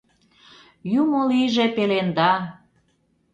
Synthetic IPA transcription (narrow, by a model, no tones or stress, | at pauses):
jumoliʒepelend̪ɑ